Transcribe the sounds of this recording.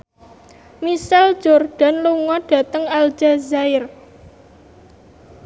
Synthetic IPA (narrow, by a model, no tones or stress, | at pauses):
misal̥d͡ʒorɖ̥a̤nluŋɔɖ̥ä̤t̪əŋald͡ʒazaɪr